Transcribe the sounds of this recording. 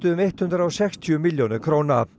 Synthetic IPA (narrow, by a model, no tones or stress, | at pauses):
t̪ʏʏmejht̪hʏnd̪ɾaɔwsɛkst̪ʰiʏmɪljonɪɾkʰɾoːwna